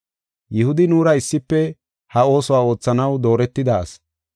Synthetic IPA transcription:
jɪhʊd̪ɪnuːɾɐɪsːɪpːɛ | hɐo̞ːsɔwaːo̞ːt͡sːɐnɐwd̪o̞ːɾɛt̪ːɪd̪aːs

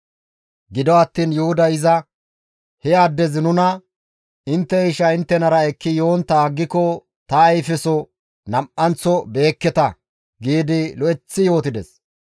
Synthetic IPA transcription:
ɡɪd̪ɔɐt̪ːiːnjʊhʊd̪ɐɪzɐ | hɛaːd̪ːɛzɪnʊnɐ | ɪnt̪ːɛɪʃɐɪnt̪ːɛnɐɾɐɛkːɪjo̞ːnt̪aːɡːɪkɔ | t̪ɐːjfɛsɔ | nɐmʔɐnt͡sːɔbe̞ːkːɛt̪ɐ | ɡiːd̪ɪlɔʔɛt͡sːɪjo̞ːt̪ɪd̪ɛs

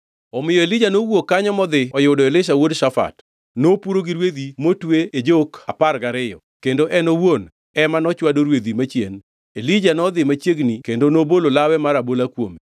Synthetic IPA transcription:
ɔmɪjɔelid͡ʒanowokːaɲɔmɔd̪ɪɔjʊdɔelɪʃ̬awodʃafa̰t | nopuɾoɡiɾwed̪imotweed͡ʒoka̰parɡaɾɪjɔ̰ | kendoʔɛnowon | ɛmanɔt͡ʃwadoɾwed̪imat͡ʃjḛn | elid͡ʒanɔd̪ɪmat͡ʃjeɡnikendonobololawɛmaɾabolakwome

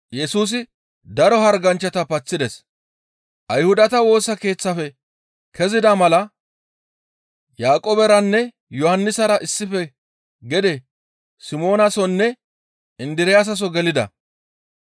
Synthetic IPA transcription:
jɛsuːs̬ɪ | d̪ɐɾɔɦɐɾɡɐnt͡ʃːɐt̪ɐpɐt͡sːɪd̪ɛs | ʔɐjhʊd̪ɐt̪ɐwo̞ːsɐke̞ːt͡sːɐfɛ | kʰɛzɪd̪ɐmɐlɐ | jaːkʼoːbɛɾɐnːɛ | jɔhɐnːɪsɐɾɐʔɪsːɪfɛ | ɡɛd̪ɛ | sɪmo̞ːnɐsɔnːɛ | ɪnd̪ɪɾɪjaːs̬ɐs̬ɔɡɛlɪd̪ɐ̰

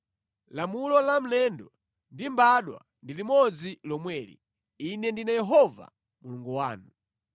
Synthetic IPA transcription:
lamulɔlam̩lɛndɔ | ndimbaɗwa̰ | ndilimɔd͡zilɔmwɛːɾḭ | inɛndinajɛɦɔva̰ | muluŋɡuwaːnu

